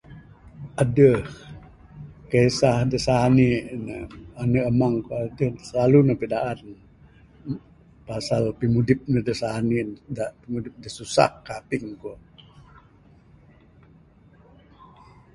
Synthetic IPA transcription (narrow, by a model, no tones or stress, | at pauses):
ʔadəh | kəisahdəsaninəanəʔəmaŋkoadəhsəlalunəhpədaʔan | pasalpimudɪp̚nəhdəsanidaʔpimudɪp̚dəsusa̰kːapɪŋko